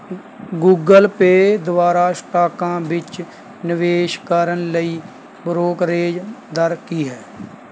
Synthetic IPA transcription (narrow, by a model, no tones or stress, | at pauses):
ɡuːɡəlpeːd̪ʊʋaːɾaːsʈaːkãːʋɪt͡ʃ | nɪʋeːʃkəɾənləiː | bɾoːkɾeːd͡ʒd̪əɾkiːɦɛː